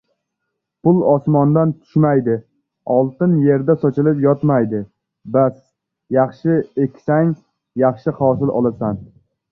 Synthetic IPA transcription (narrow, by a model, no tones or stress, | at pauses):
pʊlˠɒsmɒnd̪ant̪ʰʊ̥ʃmajd̪ɪ | ɒlˠt̪ɪnje̞ɾd̪asɒt͡ʃʰɪlɪpjɒt̪majd̪ɪ | bas | jɑχʃɪekʲsaŋ | jɑχʃɪhɒːsɪlʔɒ̰lˠasan